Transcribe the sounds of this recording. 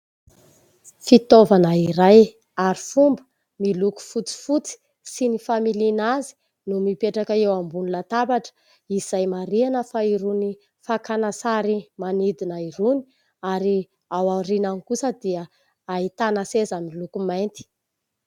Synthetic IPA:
fit̪ovanəiɾaj | aɾifumbə̥ | miluku̥fut͡si̥fut͡si̥ | sinifamilinazi̥ | numipeʈ͡ʂakəewambunilat̪abaʈ͡ʂə̥ | iz̥ajmaɾianəfaiɾuni | fakanasaɾimanid̪inaiɾuni̥ | aɾi | awarinankusəd̪iə | ait̪anasezamilukumajnt̪i̥

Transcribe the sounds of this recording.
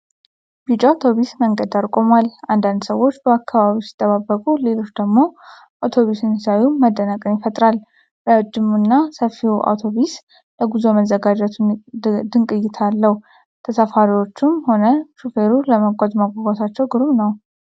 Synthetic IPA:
bit͡ʃʼaat̪ʰo̞βisməŋɡəd̪aɾkʼo̞malʔand̪and̪səwːo̞t͡ʃːbəakʰːaβaβisi̥t̪ʼːəβabːəkʼule̞lo̞t͡ʃːd̪əɡmo̞ | ʔawt̪ʰo̞βisɨnsajuməd̪ənəkʼəmjɪfət̪ʼɾal | ɾawd͡ʒːɪmːunːasəfːiʔa̰wt̪ʰoβis | ləɡuzoməzəɡad͡ʒɛt̪ʰud̪ɨŋkʼɨjːɪt̪ʰalːəhu | t̪ʰəsəfaɾiwo̞t͡ʃːɪmho̞nəʃufeɾuləməɡʷʼazmaɡʷaɡat̪ʰat͡ʃːɛwɡɨɾumnəw

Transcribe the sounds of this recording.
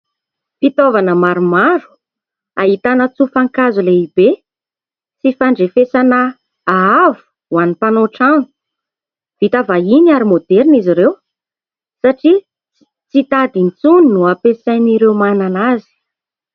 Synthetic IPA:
fit̪ovanəmaɾumaɾu̥ | aɦit̪anət͡sufaŋkazuleibe | t͡sifaɳɖ͡ʐefesanə | aavu̥ | wanipanoʈ͡ʂanu̥ | v̥it̪avainiaɾimod̪eɾiniziɾew | saʈ͡ʂi | t͡sit̪ad̪int͡suninuapesajniɾewmananazi̥

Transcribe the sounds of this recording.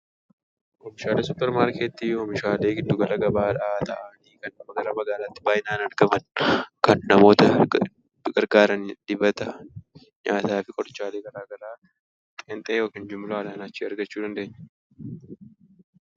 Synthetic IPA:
ʔɔmɪʃaːlesʊpːɛɾmaːɾkeːt̪ːiːjoːmɪʃaːle̞ːɡɪd̪ːʊɡɐlɐɡɐbaːᶑɐt̪ɐʔaniːkɐnːɐmɐɡɐɾɐmɐɡaːlaːt̪ːɪ̥baːjɪnaːnɐɾɡɐmɐnkɐnːɐmo̞ːt̪ɐ | ɡɐɾɡaːɾɐnᶑ̪̥ɪbɐt̪ɐ | ɲaːt̪aːfɪkʼɔɾt͡ʃːaːle̞ːɡɐɾaːɡɐɾaː | tʼɛnt̪ʼɛjoːkiːnd͡ʒʊmːɪlaːlaːnɐt͡ʃːiːɐɾɡɐt͡ʃːuːd̪ɐnd̪e̞ːɲːɐ

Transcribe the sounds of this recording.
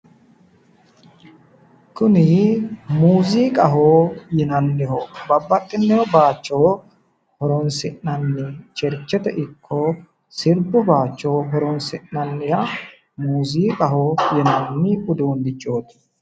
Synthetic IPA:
kʊnɪmuːziːkʼɐɦoːjɛnɐnːɛhɔbɐbːɐt̪ʼːɪnːɛhɔbaːt͡ʃːoː | hɔɾɔnsɪʔnɐnːɪt͡ʃɛɾt͡ʃːɛt̪ɛʔɪkʰːoː | sɪɾbʊbaːt͡ʃːoːɦɔɾɔnsɪʔnɐnːɪɾɐ | muːziːkʼɐɦoːjɛnɐnːɪkʊd̪uːnd̪ɪt͡ʃʼːo̞ːt̪ɪ̥

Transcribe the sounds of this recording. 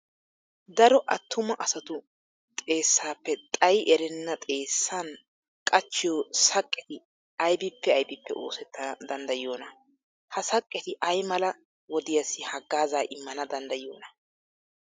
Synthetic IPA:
d̪ɐɾɔʔɐt̪ːʊmɐʔɐsɐt̪ʊ | t̪ʼe̞ːsːaːpːɛt̪ʼɐjʔɛɾɛnːɐt̪ʼe̞ːsːan | kʼɐt͡ʃːɪjoːsɐkʼːɛt̪ɪ | ɐjbɪpːɛɐjbɪpːɛo̞̰ːsɛt̪ːɐd̪ɐnd̪ɐjo̞ːnɐ | hɐsɐkʼːɛt̪ɪʔɐjmɐlɐ | wɔd̪ɪjɐsɪhɐɡːaːzaːʔɪmːɐnɐd̪ɐnd̪ɐjoːnɐ

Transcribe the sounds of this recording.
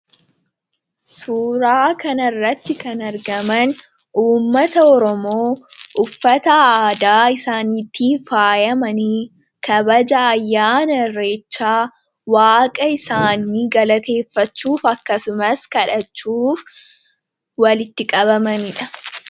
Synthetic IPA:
suːɾaːkɐnɐrːɐt̪ːɪkɐnɐɾɡɐmɐn | uːmːɐt̪ɐɔɾɔmoːʔʊfːɐt̪ɐaːd̪aːɪsaːnit̪ːiːfaːjɐmɐni | kɐbɐd͡ʒɐːjːaːnɐrːe̞ːt͡ʃːaː | waːkʼɐɪsaːnːiːɡɐlɐt̪e̞ːfːɐt͡ʃːuːfɐkːɐsʊmɐskɐᶑɐt͡ʃːuːf | wɐlɪt̪ːɪkʼɐbɐmɐnɪᶑɐ̥

